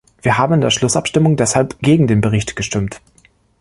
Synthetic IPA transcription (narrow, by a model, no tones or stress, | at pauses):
v̥iːɐɦaːbm̩ɪndeːɐʃlʊsʔa̰pʃtɪmʊŋdɛshalpɡ̥eːɡŋ̩deːnbəʁ̞ɪçtɡ̥əʃtɪmt